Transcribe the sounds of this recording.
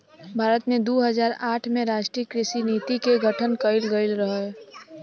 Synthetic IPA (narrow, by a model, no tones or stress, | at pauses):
bʱaːɾət̪mẽd̪oːɦəzaːɾaːʈʰmẽɾaːʃʈɾiəkɾɪʃiniːt̪ikeɡʱəʈʰənkəɪlɡəɪlɾəɦə